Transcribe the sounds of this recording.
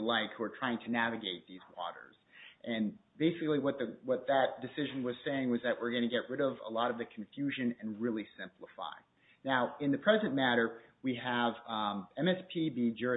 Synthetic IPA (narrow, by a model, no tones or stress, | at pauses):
laɪkhuə˞tʰɹ̥aɪɪ̃ŋtʰɨnævɨɡeɪt̪̚ðizwɔ̰ɾə̰˞z̥ʔɨ̃nbeɪsɨkliwʌt̪̚ðɨwʌt̪̚ðɨt̚d̥ɨsɪʒɨ̃n̩wʌz̥seɪɪ̃ŋwʌzðɨʔ̚wɪɹɡʌ̃ñɨɡɛʔ̚ɹɪɾʌvə̰lɔɾʌvðɨkʰɱ̩fjʉʒɨ̃nɨ̃nɹɪlˠisɪ̃mpləfa̰ɪ | naʊɨ̃nðɨpʰɹ̥ɛzɨ̃nmæɾə˞wiəvɛ̃mɛspʰibid͡ʒɜ˞